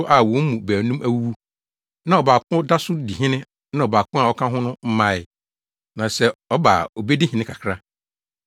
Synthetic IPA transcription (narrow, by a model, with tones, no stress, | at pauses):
ʔa˦˨wɔ̃˨˦m̩˦mũ˨bæː˨nũ˦mʔæ˦˨wu˦wu˦ | nã˦˨ɔ˨baː˨kʰʊ̃˦da˦sʊ˦di˨ɦɪ̃˦nɪ̃˦ | nã˦ɔ˨baː˨kʰʊ̃˦a˨ɔ˦kʰã˦ɦʊ̃˦nʊ̃˦m̩˦mã˦˨ɪ˨ | nã˨sɛ˦ɔ˦baː˨o˨be˦di˦ɦɪ̃˨nɪ̃˦kʰa˨kʰɾa˦